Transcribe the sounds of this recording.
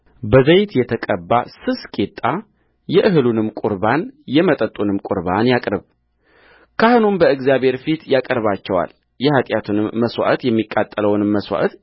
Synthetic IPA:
bəzəjt̪jɛt̪ʰəkʼəbːasɨskʼet̪ʼːa | jɛʔɨɦɨlunɨmkʼuɾbanjɛmət̪ʼət̪ʼunɨmkʼʊɾβanjakʼɾɨβ | kʰahɨnunbəɨɡzijabhe̞ɾfit̪jakʼəɾβat͡ʃːɛwa̰l | jɛhat̪ʼjat̪ʰunɨmːəswa̰ʔt̪jɛmːikʼːat̪ʼːələwnɨmːəswa̰ʔət̪

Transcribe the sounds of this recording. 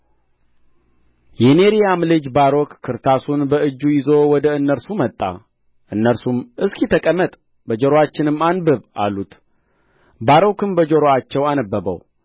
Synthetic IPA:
jɛneɾijamlɨd͡ʒbaɾokːʰɨɾt̪ʰasunbəɨd͡ʒːujɪzo̞wɔd̪əɨnːəɾsumət̪ʼːa̰ | ʔɨnːəɾsumɨskʰit̪ʰəkʼəmːət̪ʼ | bəd͡ʒoɾoat͡ʃːɪnɨmːanbɨβa̰lːut̪ | baɾokɨmbəd͡ʒoɾoat͡ʃːɛwanəbːəβə̰w

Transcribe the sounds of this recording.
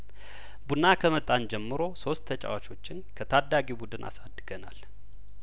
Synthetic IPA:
bunːakʰəmət̪ʼːand͡ʒɛmːɨɾo̞so̞st̪ʰːət͡ʃʼa̰wat͡ʃʰo̞t͡ʃːɪnkʰət̪ʰad̪ːaɡibud̪ɨnʔa̰sad̪ːɨɡənal

